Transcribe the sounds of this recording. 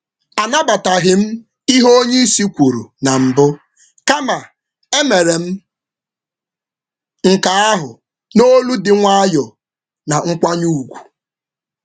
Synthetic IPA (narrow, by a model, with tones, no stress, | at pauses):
a˨na˦ba˨ta˨ɦɪ˨m̩˦ | i˦ɦo˦o˦ɲe˦i˦si˦kʷu˨ɾṵ˨na˨m̩˨bʊ˦ | ka˦ma˨ | e˦me˨ɾe˨m̩˦ | ŋ̩˨ka˨a˦ɦʊ˨ | no˦lu˦dɪ˦ŋʷa˦a˦jɔ˨ | na˨ŋ̩˦kʷa˦ɲu˦˨ɡʷu̥˨